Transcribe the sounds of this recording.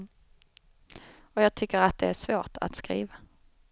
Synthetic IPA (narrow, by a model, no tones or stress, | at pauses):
ɔjɑːɡ̚t̪ʰʏkːəɾat̪̚d̪ɛæʂvoːʈa̰t̪skɾḭːva